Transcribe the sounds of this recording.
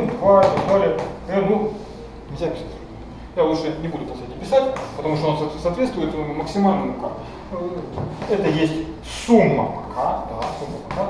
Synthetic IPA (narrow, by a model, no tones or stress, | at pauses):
t̪vat̪d̪alʲɪəp̪ɐernu | nʲɪlʲzʲapʲɪ̥sat̪ʲʂ | jaluʂənʲɪbud̪ʊpɐsʲet̪ʲɪpʲɪsatʲpət̪ɐmuʂt̪onssɐːt̪vʲet̪st̪vʊjɪt̪məksʲɪmalʲnəmʊkak | ɛt̪əjesʲtʲ | sumːə̰pɐkʰad̪asumːəpɐka